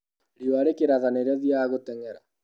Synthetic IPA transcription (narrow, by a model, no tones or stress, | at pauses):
ɾioaɾekeɾaðaneɾɛðiaːɣotɛŋɛɾa̰